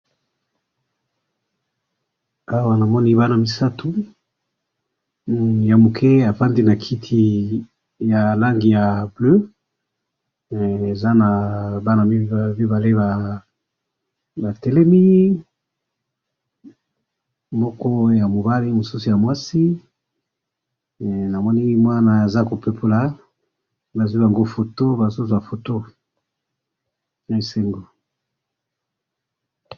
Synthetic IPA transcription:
a˦wa˦na˨mɔ˦ni˦ba˦na˨mi˨sa˦tu˨˦ | ja˨mo˨kʰɛ˦a˨pa˦ndi˦na˨kʰi˦tʰi˦ | ja˨la˦ŋɡi˨ja˨blø˦˨ | e˨za˦na˨ba˦na˨mi˦mi˦ba˨le˦ba˨ | ba˨tɛ˨lɛ˦mi˦ | mɔ˦kɔ˦ja˨mo˨ba˦li˦mo˨su˦su˨ja˨mwa˦si˦˨ | na˨mɔ˦ni˦ŋi˦mwa˦na˨e˨za˦ko˨pe˦pʰo˦la˨ | ba˨zu˦i˦ba˨ŋɡo˦fo˨to˦ba˨su˦su˨ja˨fo˨to˦ | na˨˦i˨se˦ŋɡo˨

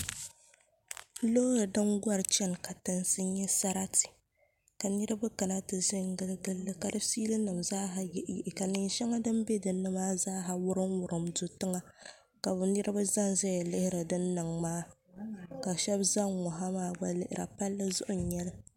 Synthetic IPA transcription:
lo˦ɾɨ˨dɨ˦mɡʷa˦ɾɨ˨t͡ʃɛ˦nka˨tɨ˨nsɨ˦ɲɛ˦sa˦ɾa˦ti̥˨ | ka˨nɨ˦ɾɨ˦ba˦ka˨na˦tɨ˨ʒɪ˦ŋɡɨ˦lɨ˦ɡɨ˦lːɨ˦ka˨dɨ˦siː˦lɨ˦nɨ˨mzaː˦ɦa˨jɛ˦ʔʔka˨nɨ˨nʃɛ˦ŋa˦dɨ˦mbɛ˦dɨ˨nːɨ˦maː˦zaː˦ɦa˨wʊ˦ɾɨ˦nwʊ˨ɾɨ˨mdʊ˨tɨ˦ŋa˦ | ka˨bʊ˨nɨ˦ɾɨ˦ba˦za˦nzɛ˦jɛ˨lɨ˦hɪ˦ɾɨ˨dɨ˦nːɨ˨ŋmaː˦ | ka˨ʃɛ˦bza˦ŋːɔ˨ɦa˦maː˦ɡ͡ba˦lɨ˦˨ʔɪ̰˨ɾa̰˨pa˦lːɨ˦zʊ̰˦ʔʊ˨ɲɛ˦lɨ˦

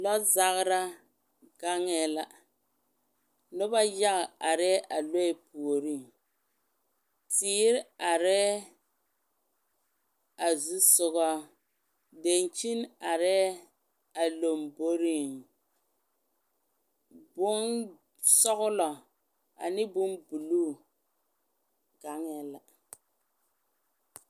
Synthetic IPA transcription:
lɔ˦za˦ɣɾa˦ | ɡa˦ŋɛ˨la˨ | nʊ˦ba˦ja˦ɣa˨a˨ɾɛ˦ʔa˨lo˦ɛ˦˨pu˨o˨ɾi˦˨ŋ | tiː˦ɾɪ˦a˨ɾɛ˦ | a˨zu˦sʊ˨ɣɔ˦ | de˨nt͡ʃi˦na˨ɾɛ˦ | a˨lo˨mbo˦ɾi˦˨ŋ | bʊ˦n | sɔ˦ɣʊ˦lɔ˨ | a̰˨nɪ˦bʊ˦nbu˨luː˦ | ɡa˨ŋɛ˦la˨

